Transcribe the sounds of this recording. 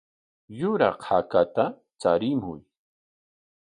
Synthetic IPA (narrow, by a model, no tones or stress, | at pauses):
jʊɾɑ̰qhakat̪a | t͡saɾɪmʊ̰j